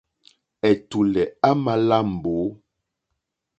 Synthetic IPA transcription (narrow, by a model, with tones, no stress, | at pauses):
ɛ˨tu˨lɛ˨a˦ma˨la˦˨m̩˨bo˨˦